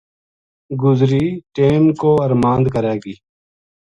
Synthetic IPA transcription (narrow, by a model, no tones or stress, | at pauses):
ɡʊzɾiːʈeːnkoːəɾmãːnd̪kəɾeːɡiː